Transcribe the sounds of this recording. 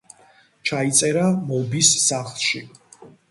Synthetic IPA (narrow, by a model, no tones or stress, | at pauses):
t͡ʃʰait̪sʼɛɾamɔbisːaχlˠʃi